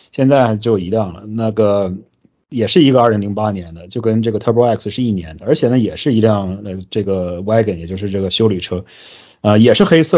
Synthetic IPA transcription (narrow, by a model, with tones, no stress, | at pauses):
ɕjɛ˥˧nt͡sa˥˩ɪt͡ɕjo˥˩ʊ˩i˧˥ljɑ˥˩ŋlə̰˩na˥˩ɡə˩ | jɛ˨˩ʂɻ̩˥˩i˧˥ɡə˧a˥˩˧ŋli˧˥ŋpa˥njɛ˧˥nd̪ə˧t͡ɕjo˥˩ʊkə˥nʈ͡ʂɤ˥˩ɡə˩t̪ʰɤ˥˩pɛ˥˩kʰsʂɻ̩˥˧i˥˩njɛ˧˥nd̪ə˧ə˞˧˥t͡ɕʰjɛ˨˩nə˦jɛ˨˩ʂɻ̩˥˩i˧˥ljɑ˥˧ŋə˧ʈ͡ʂɤ˥˩ɡə˩wa˥ɪkə˨˩njɛ˨˩t͡ɕo˥˧ʊʂɻ̩˥˧ʈ͡ʂɤ˥˩ɡə˩ɕjo˥ʊly˨˩ʈ͡ʂʰɤ˥ | ə˧jɛ˨˩ʂɻ̩˥˩xe˥ɪsɤ˥˩